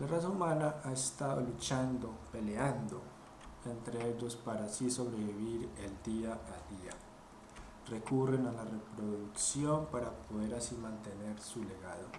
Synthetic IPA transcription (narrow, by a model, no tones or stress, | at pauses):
larasaumanaʔaest̪aðo̰lut͡ʃand̪o̞pe̞leand̪o | e̞nt̪ɾeeʎo̞spaɾasiso̞β̞ɾeβiβiɾeld̪iaʔald̪ia | re̞kurenalarepɾo̞ðuksjo̞mpaɾapoðe̞ɾasimãnt̪ene̞ɾsule̞ɣaðo̞̰